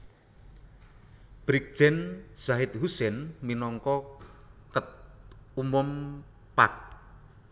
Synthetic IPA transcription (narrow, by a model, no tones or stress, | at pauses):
b̥ɾik̚d̥ʒ̥ɛnz̥aɦɪt̪̚husɛnminɔŋkɔ | kət̪̚umʊm | pak̚